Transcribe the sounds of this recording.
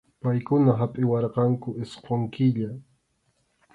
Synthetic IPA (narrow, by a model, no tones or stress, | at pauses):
pajkʊnaɦapʼɪwɑɾqɑŋkʊɪsqoŋkɪʎa